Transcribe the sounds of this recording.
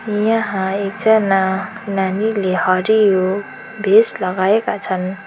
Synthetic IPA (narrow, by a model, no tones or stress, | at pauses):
jãɦãekd͡zʌnananilehʌɾijo | bʱeslʌɡaekat͡sʰʌn